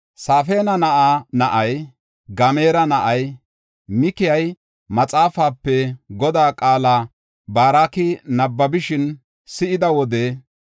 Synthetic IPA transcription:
saːfe̞ːnɐnɐʔanɐʔɐj | ɡɐmeːɾɐnɐʔɐj | mɪkɪjɐj | mɐt͡sʼaːfaːpːɛɡɔd̪aːkʼaːla | baːɾaːkɪnɐbːɐbɪʃɪn | sɪʔɪd̪ɐwɔd̪ɛ

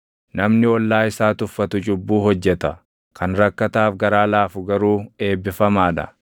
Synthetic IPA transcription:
nɐmnɪwɔlːaːɪsaːt̪ʊfːɐt̪ʊt͡ʃʼʊbːuːhɔd͡ʒːɛt̪ɐ | kʰɐnɾɐkːɐt̪aːfɡɐɾaːlaːfʊɡɐɾuːe̞ːbːɪfɐmaːᶑɐ̰

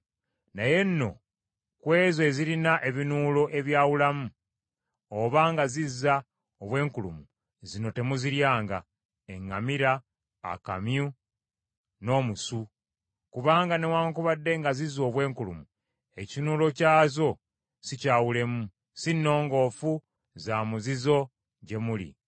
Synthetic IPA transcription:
naje̞nːo̞̰ | kwe̞ːze̞ziɾinaʔe̞βinuːlo̞ʔe̞βjaːwulamu | oβaːŋɡazizːa | oβwe̞ːŋkulṵmu | zino̞te̞muziɾjaːŋɡa̰ | eŋːamiɾa̰ː | ka̰mju | no̞ːmusu | kuβaːŋɡane̞waːŋkuβadːe̞ŋɡazizo̞ːβwe̞ːŋkulṵmu | e̞cinuːlo̞caːzo̞ | sicaːwule̞mu | sinːo̞ːŋɡo̞ːfu | zaːmuzizo̞ | ɟe̞mulḭ

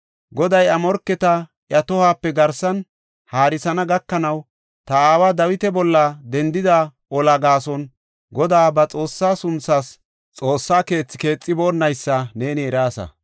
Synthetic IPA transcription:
ɡɔd̪ɐjɐmɔɾkːɛt̪ɐ | jɐt̪ɔhaːpːɛɡɐɾsɐn | haːɾɪsɐnɐɡɐkːɐnɐw | t̪ɐaːwaːd̪ɐwɪt̪ɛbɔlːɐd̪ɛnd̪ɪd̪a | ɔlɐɡaːsɔn | ɡɔd̪aːbɐt͡sʼo̞ːsːaːsʊnt͡sːaːs | t͡sʼo̞ːsːaːke̞ːt͡sːɪ̥ke̞ːt͡sʼːɪboːnːɐjsːɐne̞ːnɪɛɾaːsɐ̰

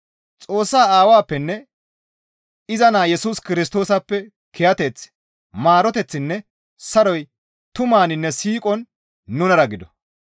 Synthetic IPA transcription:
t͡sʼo̞ːsːaːaːwaːpːɛnːɛ | ɪzɐnaːjɛsuːskɪɾɪs̬t̪o̞ːsɐpːɛ | kʰɛjɐt̪ɛt͡s | maːɾɔt̪ɛt͡sːɪnːɛ | sɐɾɔj | t̪ʊmaːnɪnːɛsiːkʼɔnː | ʊnɐɾɐɡɪd̪ɔ

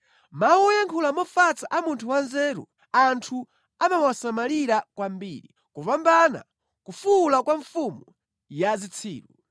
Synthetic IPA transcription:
mawɔjaŋkʰulamɔfat͡saʔamuntʰuwanzɛːɾṵ | antʰu | amamwasamaliɾakwambiːɾḭ | kuvambana̰ | kufulakwaɱfumu | jazit͡sʰḭːɾu

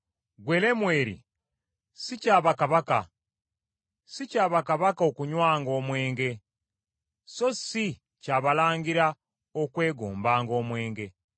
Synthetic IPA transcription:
ɡwele̞mweɾḭ | sicaːβakaβaka̰ | sicaːβakaβakao̞kuɲwaːŋɡo̞ːmwe̞ːŋɡe̞ | so̞si | caːβalaːŋɡiɾa | okwe̞ːɡoːmbaːŋɡo̞ːmwe̞ːŋɡe̞

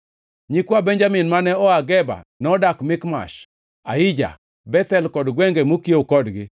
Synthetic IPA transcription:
ɲikwabɛɲd͡ʒamɪnmanɛɔaɡɛba̰nɛɔdakmɪkma̰ʃ | aɪd͡ʒa̰ | bɛt̪ɛlkɔdɡwɛŋɡemokiokɔdɡɪ

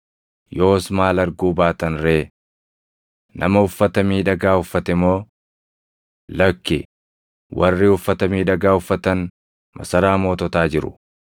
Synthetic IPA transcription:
jo̞ːsmaːlɐɾɡuːbaːt̪ɐnɾe̞ː | nʔɐ̰mɐʊfːɐt̪ɐmiːᶑɐɡaːʊfːɐt̪ɛmo̞ː | lɐkːɪ | wɐrːɪʊfːɐt̪ɐmiːᶑɐɡaːʊfːɐt̪ɐn | mɐ̰sɐɾaːmo̞ːt̪ɔt̪aːd͡ʒɪɾʊ̰

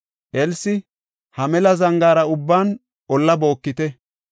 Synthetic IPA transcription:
ʔɛlsɪ | hɐmɛlɐzɐŋɡaːɾɐʊbːaːn | ʔɔlːɐbo̞ːkːɪt̪ɛ

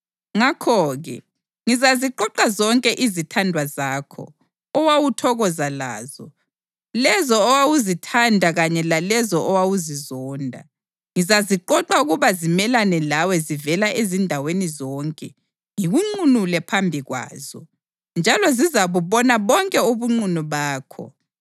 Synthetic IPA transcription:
ŋakʰɔːɣɛ̰ | ŋizaziǃɔǃazɔŋkʼɛʔizitʰandʱwazaːkʰɔ̰ | ɔwawutʰɔɣɔzala̰ːzɔ | lɛzɔːwawuzitʰandʱaɣaɲɛlalɛzɔɔwawuzizɔːndʱa̰ | ŋizaziǃɔǃauɣuβazimɛlanɛlawɛzivɛlaʔezindʱawenizɔːŋkʼɛ | ŋiɣuŋ͡ǀunulɛpʰambʱiɣwa̰ːz̥ɔ | nd͡ʒʱalɔzizaβuβɔnaβɔŋkʼɛuβuŋ͡ǀunuβaːkʰɔ̰

